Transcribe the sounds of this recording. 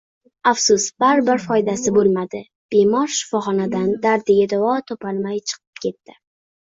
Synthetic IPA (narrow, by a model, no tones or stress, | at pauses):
afsʊsbaɾbɪɾfɒjd̪asɪbolˠmad̪ɪ | b̥emɒɾʃɪ̥fɒχɒnad̪and̪aɾd̪ɪjʲad̪avɒt̪ʰopalˠmajt͡ʃʰɨ̥qʰɨ̥pkʲe̞t̪ːɪ